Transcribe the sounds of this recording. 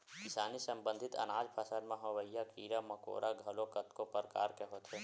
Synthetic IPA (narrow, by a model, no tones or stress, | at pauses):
kɪsaːnisɐ̃mbə̃nd̪ʱɪt̪ɐ̰naːd͡ʒpʰəsad̪mãɦoʋəijːakiːɾamɐko̰ːɾʔaɡʱɐlokɐt̪kopəɾka̰ːɾkeɦot̪ɦeː